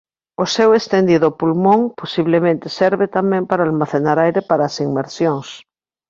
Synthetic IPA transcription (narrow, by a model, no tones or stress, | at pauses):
osewest̪end̪iðopulmõŋposiβ̞lemẽnt̪eseɾβet̪amẽmpaɾalmaθenaɾajɾepaɾaːsiŋmeɾsjoŋs